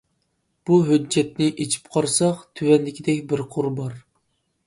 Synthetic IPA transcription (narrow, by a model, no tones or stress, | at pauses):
b̥uɦød͡ʒːɛt̪nɪʔet͡ʃʰi̥pqʰɑɾsɑqt̪ʰywɛnd̪ɪkʲʰid̪ɛkʲbɪɾqʰʊɾbɑɾ